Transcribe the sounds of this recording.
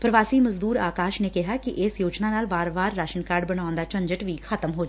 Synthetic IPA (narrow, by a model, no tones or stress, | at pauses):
pɾəʋaːsiːməzd̪uːɾaːkaːʃneːkɪɦaːkɪʔɪsjoːd͡ʒnaːnaːlbaːɾbaːɾːaːʃənkaːɾɖbəɽ̃aːʊnd̪aːt͡ʃə̃ɲd͡ʒəʈʋiːkʰət̪əmɦoːd͡ʒa